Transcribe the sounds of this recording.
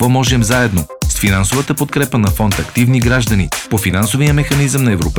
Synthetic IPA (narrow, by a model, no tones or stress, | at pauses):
kvɔmɔʒɛmzaɛd̪nosfinansovət̪əpot̪̚kɾɛpənɐfɔnt̪ɐkt̪ivniɡɾaʒd̪ɐnipofinansovijəmɛxɐnizəmnɐɛvɾop